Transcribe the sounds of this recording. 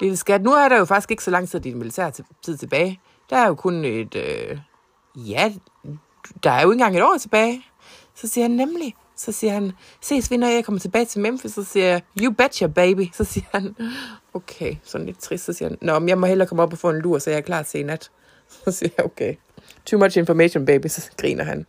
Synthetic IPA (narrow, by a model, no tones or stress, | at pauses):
d̥ed̥esɡ̥æd̥nuæɐɾ̥ɑ̈jo̝fɑ̈ɡ̥isɡ̥e̝ɡ̥sɒ̽lɑ̈ŋ̰t͡sʰið̰ˠd̥inmilit͡sʰæ̰ɐt͡sʰið̰ˠt͡sʰe̝b̥ɛːɪ | d̥ɑ̈æɐjo̝kʰoned̥ø | jæ | d̥ɑ̈æɐjoe̝nŋɡ̥ɑ̈ŋe̝ɾ̥ɒ̰ːt͡sʰe̝b̥ɛːɪ | sɒ̽siɐhænːemli | sɒ̽siɐhæn | se̝̰ːsʋinɒjɑɪkʰɒ̽mɐt͡sʰe̝b̥ɛːɪt͡sʰe̝lmemfiisɒ̽siɐjajub̥æd̥jɒb̥eɪb̥isɒ̽siːɐhænokʰeɪsɒ̽dn̩le̝d̥̚t͡sʰʁisd̥sɒsḭɐhænnɒmmjɑ̈ɪmɒhelɐkʰɒ̽mɒ̽b̥ɒfɔ̰̽ːe̝nluɐ̰sɒ̽jakʰlɑ̰̥ːsʰe̝̰ːnæd̥ | sɒ̽siɐjokʰe | t͡sʰumɑt͡ʃe̝nfɒmeɕonb̥eɪb̥isɒ̽ɡ̥ʁḭːnʔɐɦæn